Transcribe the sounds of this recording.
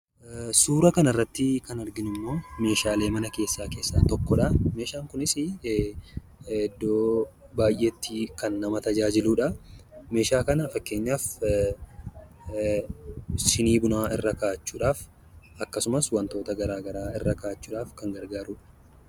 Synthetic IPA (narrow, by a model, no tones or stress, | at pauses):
suːɾɐkɐnɐɪrːɐt̪ːɪkɐnɐɾɡɪnɪmːo̞ːme̞ːʃaːle̞ːmɐnɐke̞ːsːaːke̞ːsːaːt̪ɔkːɔᶑɐme̞ːʃaːŋkʊnɪsɪ | ɛd̪ːoː | baːjʔeːt̪ːikɐnːɐmɐt̪ɐd͡ʒaːd͡ʒɪluːᶑɐme̞ːʃaːkɐnɐfɐkːe̞ːɲːaːf | ʃɪniːbʊnaːɪrːɐkaːt͡ʃːuːᶑaːf | ɐkːɐsʊmɐswɐnt̪o̞ːt̪ɐɡɐɾaːɡɐɾaːɪrːɐkaːt͡ʃːuːᶑaːfkɐŋɡɐɾɡaːɾuːᶑɐ̥